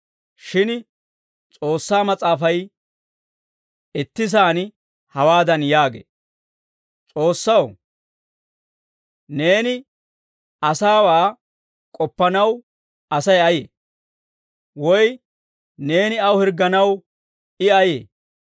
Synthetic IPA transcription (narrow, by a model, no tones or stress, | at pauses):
ʃɪn | t͡sʼo̞ːsːaːmɐt͡sʼaːfɐj | ɪt̪ːɪsaːn | hɐwaːd̪ɐnjaːɡḛː | t͡sʼo̞ːsːɐw | ne̞ːnɪ | ɐsaːwaː | kʼɔpːɐnɐw | ɐsɐjɐjḛː | wɔj | ne̞ːnɪɐwhɪɾɡːɐnɐw | ɪɐjḛː